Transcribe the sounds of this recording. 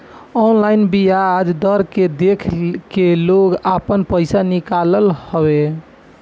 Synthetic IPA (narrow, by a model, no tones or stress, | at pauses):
ɔnlaɪnbijad͡ʒd̪əɾked̪ekʰkeloɡapənpəɪsanikaləlhɔbe